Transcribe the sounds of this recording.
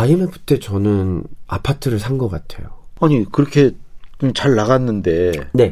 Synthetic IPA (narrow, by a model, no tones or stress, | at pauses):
aimɯpɯ̥tʰe̞t͡ɕʌnɯnapʰatʰɯɾɯɭsʰanɡʌk͈atʰe̞̰joaɲikɯɾʌkʰe̞t͡ɕomt͡ɕaɭːaɣanːɯnde̞ne̞